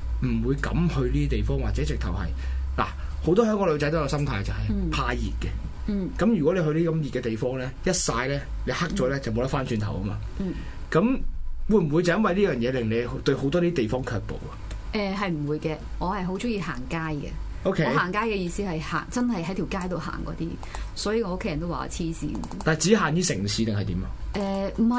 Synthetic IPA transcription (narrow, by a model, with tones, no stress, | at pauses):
m̩˨˩wuː˨˧jkɐ̰˨˥mhɵ˧ɥliː˥i˥t̪e˨jfɔː˥ŋwaː˨t͡sɛː˨˥t͡sɪ˨k̚t̪ʰɐ˨˩whɐ̰˨jla̰ː˨˩ho˨˥wt̪ɔː˥hœː˨˥ŋkɔ˧lo˨˧ɥt͡sɐ˨˥jt̪o˥jsɐ˥mt̪ʰaː˧jt͡sɐ˨˩whɐ˨jpʰaː˧jḭː˨˩t̚kɛ˧˨kɐ˨˥mjyː˨˩kɔː˨˥le˨˧jɦɵ˧liː˥kɐ˨mjiː˨t̚kɛ˧t̪e˨jfɔː˥ŋlɛː˥jɐ˥t̚saː˧jlɛː˥le˨˧jha˥k̚t͡sɔː˨˥lɛː˦˥t͡sɐ˨wmo˨˧wt̪ɐ˥tfaː˥nt͡ʃyː˧nt̪ʰɐ˨˩wɐ˥ma̰ː˨ | kɐ˨˥mwuː˨˧jm̩˨˩wu˨˧jt͡sɐ˨˦jɐ˥nwɐ˨jliː˥jœː˨˩ŋjɛː˨˧lɪ˨ŋle˨˧jt̪ɵ˧ɥho˨˥wt̪ɔː˥liː˥t̪e˨jfɔː˥ŋkʰœː˧k̚po̰˨wɐ˨ʔɛː˧ɦɐ˨jm̩˨˩wuː˨˧jkɛː˧ŋɔː˨˧hɐ˨jɦo˨˥wt͡sʊ˥ŋjiː˧ha̰ː˨˩ŋkaː˥jkɛ̰˧ | ʔo˥wkʰe˦ɔ˨˦haː˨˩ŋkaː˥jkɛː˧jiː˧siː˥hɐ˨jha̰ː˨˩ŋt͡sɐ˥nhɐ˨jɦɐ˨˥jt̪ʰi˨˩wkaː˥jt̪o˨wɦa̰ː˨˩ŋkɔ̰ː˨˧t̪iː˥ | sɔː˨˥jiː˨˧ŋɔː˨˧o˥kʰe˥jɐ˨nt̪o˥waː˨a̰˧t͡sʰiː˥sḭː˧ | t̪a˨t͡siː˨˥ɦaː˨˩nj̪iː˥sɪ˨˩ŋsʰiː˨˥t̪ɪ˨ŋhɐ˨jt̪iː˨˥mɐ̰˧ʔɛ˧m̩˨˩ɐ˨